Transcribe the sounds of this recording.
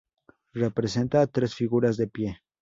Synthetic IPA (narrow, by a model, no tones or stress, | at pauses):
re̞pɾe̞se̞nt̪at̪ɾe̞sfiɣuɾazðe̞pje̞